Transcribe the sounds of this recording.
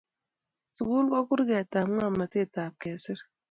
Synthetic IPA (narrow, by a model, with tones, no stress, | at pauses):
su˨ku˦lkɔ˦kʊ˦ɾɡɛ˨ta˨m˦ŋa˦˨ma˨te˦˨ta˨p̚kɛ˨sɪ˦ɾ